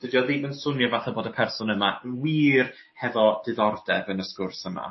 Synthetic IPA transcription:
d̥ədijɔðimənsʊnjavaθɛboːdəpʰɛrsʊnəmawiːr | hɛvɔd̥ɨðɔrdɛvənəskʊrsəma̰

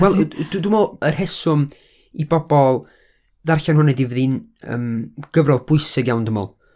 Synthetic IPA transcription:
wɛlˠddʊmɔərhɛsʊm | ibɔbɔlˠ | ðarɬanhʊnədivəðinə̰mɡ̥əvrɔðˠb̥ʊɨsɪɡjawndəmɔ̰lˠ

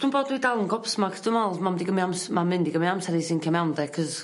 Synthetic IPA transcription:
d̥ʰuːnboːdidalˠənɡɔpsmakʰə̥d̥umɔlˠmamdiɡəmiamsmamɪndiɡəmiamsɛɾisɪnkʰɛmawndɛkʰəð

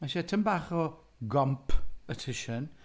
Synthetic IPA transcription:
maʃɛtʰəmbaːχɔ | ɡɔmpʰətʰɪʃən

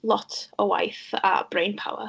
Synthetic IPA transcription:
lˠɔtʰəwa̰jθa̰b̥rejnpʰa̰wə̰

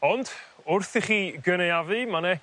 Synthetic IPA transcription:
ɔnd̥ʊrθiχiːɡənejavɨmanɛ

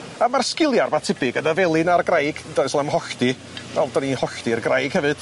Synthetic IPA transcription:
amarskɪlˠjarmatʰɪbɨɡənəvɛlˠɨnarɡrajɡ̥daðɨslˠamhɔɬd̥i | vɛlˠdanihɔɬtirɡrajɡ̥hɛvɨd̥

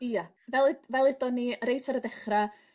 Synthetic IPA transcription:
ija | vɛlˠɪvɛlˠɪdɔnːiəɾejtʰaɾədɛχra

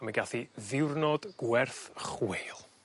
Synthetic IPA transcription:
maɡaθiðɪwrnɔd̥ɡ̥wɛrθχweːlˠ

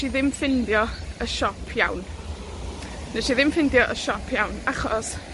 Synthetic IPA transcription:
ʃiðɪmfɪndjɔəʃɔpʰjawn | nəʃiðɪmfɪndjɔʔəʃɔpʰjawnaχɔs

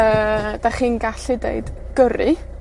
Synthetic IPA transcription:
əːd̥aχiːnɡaɬidḛɨd̥ | ɡ̥əɾɨ

